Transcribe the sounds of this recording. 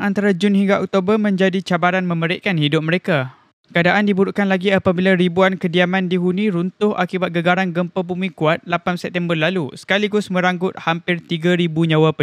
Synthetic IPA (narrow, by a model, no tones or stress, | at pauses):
ant̪aɾad͡ʒʊnɦiŋɡaʔɔk̚t̪obərmə̃ɲd͡ʒadit͡ʃabaɾanmə̃məɾɪʔkanhidʊp̚məɾeka | kəadaʔandibuɾuʔkanlaɡiapabilaɾibuankədiamãndiɦunĩɾunt̪ʊha̰kibat̪̚ɡəɡaɾanɡəmpəbumĩkuat̪̚lapansɛp̚t̪ɛmbərlalusə̥kaliɡʊsmə̃ɾaŋɡʊt̪̚hampɪrt̪iɡaɾibuɲãwapə